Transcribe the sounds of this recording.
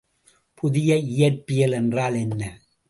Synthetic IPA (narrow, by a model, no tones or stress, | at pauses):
pʊðɪjɐɪjɐɾpːɪjɐlɛndraːlɛnːɐ